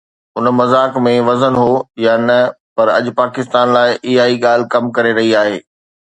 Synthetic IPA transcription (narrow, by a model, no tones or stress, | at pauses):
ʊnəmɐzaːkmẽʋɐzənɦojaːnɐ | pɐɾɐ̰ʄʊ̆paːkɪst̪aːnlaːɪʔɪɦaːiɠaːl̤ɪ̆kɐmkɐɾeɾɐɦiaːɦeː